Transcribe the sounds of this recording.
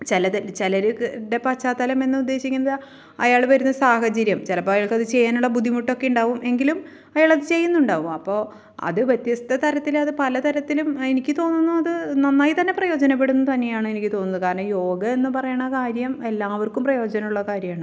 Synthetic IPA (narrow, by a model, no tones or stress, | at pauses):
t͡ɕelɐt̪ɐt͡ɕlɐɾuɖe̞pɐt͡ɕːaːt̪ːɐlɐme̞nːɨud̪ːe̞ːɕikʲːunːɐðɨ | ɐjaːɭʋɐɾunːɐsaːɦɐt͡ɕɐɾjɐmt͡ɕelɐpːoːjaːɭkɐðɨt͡ɕejːaːnuɭːɐbud̪ʱːimuʈːo̞kːeuɳɖaːʋumʔe̞ŋɡilum | ɐjaːɭɐðɨt͡ɕe̞jːunːuɳɖaːʋumɐpːo̞ː | ɐ̰ðɨʋʲjet̪jɐst̪ʰɐt̪ɐɾɐt̪ːilɐðɨpɐlɐt̪ɐɾɐt̪ːilumenikʲːɨt̪o̞ːnːunːuɐðɨnɐnːaːjit̪ɐnːe̞prɐjo̞ːd͡ʑɐnɐp̬ːe̞ɽunːt̪ɐnːe̞jaːɳɨe̞nikʲːɨt̪o̞ːnːɐðɨkaːɾɳɐjo̞ːɡɐe̞nːɨpɐrɐjɐɳːɐkaːɾjɐme̞lːaːʋɐrkumprɐjo̞ːd͡ʑɐnɐmuɭːɐkaːɾjɐmaːɳɨ